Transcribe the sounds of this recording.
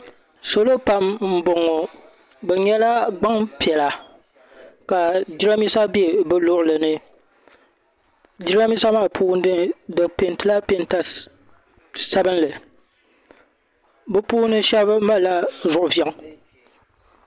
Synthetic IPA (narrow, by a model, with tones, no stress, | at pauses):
so˨lo˦pa˦mm̩˦bo˨ŋo˨ | bɛ˨ɲɛ˦la˦ɡ͡ba˦ŋpi˨ɛ˨la˨ | ka˨d͡ʒi˦ɾa˦mi˦sa˦bi˦e˨bɛ˦lʊ˦ʔʊ˨lɨ˨nɨ˦ | d͡ʒi˦ɾa˦mi˦sa˦maː˦˨pʰuː˦n˦dɨ˦ndɨ˨kpe˨n˦tɨ˦la˦pe˦nta˦ | sa˦bɨ˦n˦lɨ˨ | bɨ˦puː˦nɨ˦ʃɛ˦bma˦˨la˦zʊ˨ʔʊ˨vjɛ˦ŋ˦